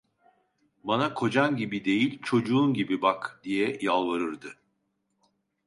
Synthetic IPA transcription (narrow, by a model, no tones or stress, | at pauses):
banakʰo̞d͡ʒanɟibid̪e̞jilʲt͡ʃʰo̞d͡ʒuːnɟibibakd̪̥ijɛjalˠvaɾɯɾd̪ɯ